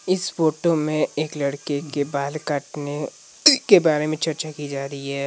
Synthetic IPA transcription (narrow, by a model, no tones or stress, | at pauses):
ɪsfoːʈomẽeːklɐɽkekebaːlkaːʈne | kebaːɾemẽt͡ʃɐɾt͡ʃakid͡ʒaːɾəiɦɛː